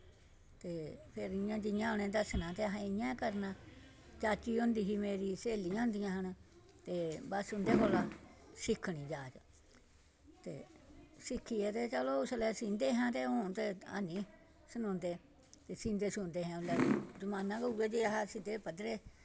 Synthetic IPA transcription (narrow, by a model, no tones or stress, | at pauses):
t̪epeɾiɲãt̪iɲãnẽt̪asinãt̪eaɦaĩɲãkaɾnã | t͡ʃat͡ʃiond̪iɦimẽɾiseliɲãnd̪iɲãhãnã | t̪ebasund̪ekolasikʰinĩd͡ʒat͡ʃa | t̪ḛsikʰiet̪et͡ʃalousalesind̪eɦãt̪eũt̪ea̰nĩ | sinũnd̪e | t̪esind̪esũnd̪eɦãũlad͡ʒumãnãkouet͡ʃ̪ijahasit̪epad̪ɾe